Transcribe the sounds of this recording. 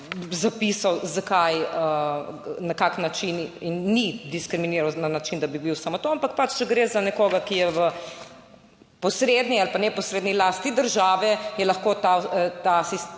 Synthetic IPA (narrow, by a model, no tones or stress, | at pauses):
zapisawzakajə | nɐkaknat͡ʃininːid̪iskɾiminiɾawnanat͡ʃind̪abibiwsamot̪oampak̚pat͡ʃt͡ʃɛɡɾezanɛkoːɡakijɛʋə | pɔsɾed̪nialpanɛpɔsɾeːd̪nilast̪nid̪əɾʒaːʋɛjɛlɐxkot̪at̪asis